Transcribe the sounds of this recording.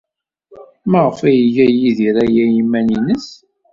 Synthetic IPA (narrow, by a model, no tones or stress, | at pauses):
məʁəfæjʝæjiðiɾæjæjimːæninəs